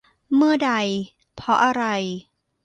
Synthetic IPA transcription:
mɯ˥˩ɐda˧j | pʰɔ˧˥ʔa˧ɾa˧j

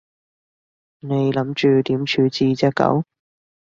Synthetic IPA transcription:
ne˨˧jlɐ˨˥mt͡ʃyː˨˧t̪iː˨˥mt͡ʃʰyː˨˥t͡siː˧t͡sɛ˥kɐ̰˨˥w

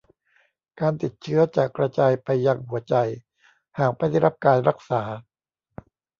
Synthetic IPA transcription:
kaː˧nt̪i˨˩t̪̚t͡ɕʰɯ˦˥ɐt͡ɕaː˨˩kɾa˧t͡ɕaː˧jpa˧jːaː˧ŋɦu˩˦ɐt͡ɕa˧j | haː˨˩k̚ma˦˩jdɾa˦˥p̚kaː˧nɾa˦˥k̚saː˩˦

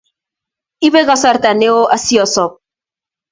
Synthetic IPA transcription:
i˦βe˦ka˦sa˦ɾt̪a˨ne˦o˦ʔa˦si˦ɔ˨sɔ˨p̚

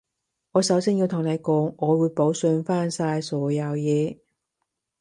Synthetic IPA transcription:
ŋɔː˨˧sɐ˨˥wsiː˥nji˧wt̪ʰʊ˨˩ŋne˨˧jkɔː˨˥ŋʔɔː˨˧wuː˨˧jpo˨˥wsɵ˧nfaː˥nsaː˧jsɔː˨˥jɐ˨˧wjɛː˨˧

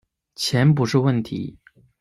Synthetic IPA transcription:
t͡ɕʰjɛ˧˥npu˧˥ʂɻ̩˥˧wə˥˩nt̪ʰḭ˧˥

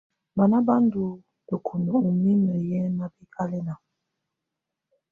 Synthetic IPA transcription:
ba˨na˦ba˦ndu˨ | də˨kʰo˨no˨u˨mi˦nə˨jɛ˦na˨bi˦kʰa˦lɛ˦na˨

